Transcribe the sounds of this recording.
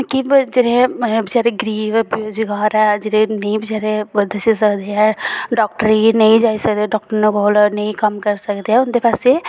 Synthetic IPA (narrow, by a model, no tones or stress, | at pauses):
kid͡ʒɪɾẽbʱit͡ʃaːɾeɡɾiːʋboːd͡ʒɡaːɾɛ̃d͡ʒɪɾẽnɐɦĩbʱit͡ʃaːɾed̪ɐsisɐkd̪eɦɛ̃ɖɔːk̚ʈəɾinɐɦĩd͡ʒaːisɐkd̪eɖɔːk̚ʈəɾnekolnɐɦĩkɐmkɐɾsɐkd̪eɦɛ̃ʊnd̪epʰase